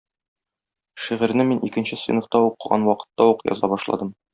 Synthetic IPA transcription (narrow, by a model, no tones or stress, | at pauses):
ʃiʁɘ̆ɾnɘminʔikɘ̆nɕɘsvḭnoft̪ɑuqɤ̆ʁɑ̰nwɒqɤ̥̆t̪ːɑuqjɒ̰zɑbɒʃlˠɑ̰d̪ɤm